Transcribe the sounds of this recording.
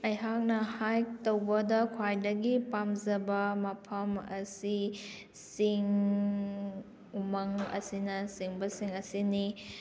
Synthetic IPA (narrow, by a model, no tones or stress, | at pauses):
ɐjɦak̚nɐhajtowbɐdɐkʰwajdɐɡipamzɐbɐmɐpʰɐmɐ̰si | siŋ | umɐŋɐ̰sinɐsiŋbɐsiŋɐsini